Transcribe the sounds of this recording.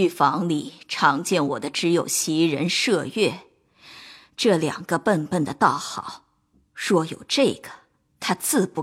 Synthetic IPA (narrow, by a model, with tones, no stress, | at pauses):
y˥˩fɑ˧˥ŋli˨˩ʈ͡ʂʰɑ˧˥ŋt͡ɕjɛ˥˩nwɔ̰˨˩d̪ə˦ʈ͡ʂɻ̩˧˥jo˨˩ʊɕi˧˥ɻə̰˧˥nʂɤ˥˧ɥɛ˥˩ | ʈ͡ʂɤ˥˩ljɑ̰˨˩ŋɡ̥ə˦pə˥˧npə˥˩nd̪ə˩t̪ɑ˥˩ʊxɑ˨˩˦ʊ | ʂwɔ˥˩jo˨˩ʊʈ͡ʂɤ˥˩ɡ̥ə̥˩ | t̪ʰa˥t͡sɹ̩˥˧pu˥˩